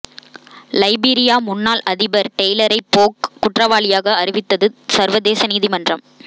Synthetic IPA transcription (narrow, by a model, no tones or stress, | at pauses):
lɐɪbiːɾɪjaːmʊnːaːlɐðɪbɐɾʈɛjlɐɾɐɪpoːkːʊʈrɐʋaːlɪjaːɣɐːɾɪʋɪt̪ːɐðɯsɐɾʋɐðeːsɐniːðimɐndrɐm